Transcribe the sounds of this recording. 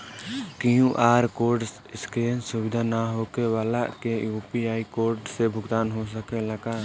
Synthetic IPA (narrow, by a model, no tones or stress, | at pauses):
kɪɦũʔaːɾkoːɾɖs | ɪskeːnsʊbɪd̪ʱanaɦokewaːlakejuːpiaːikoːɾɖsebʱʊɡt̪aːnɦos̬əkeləɡaː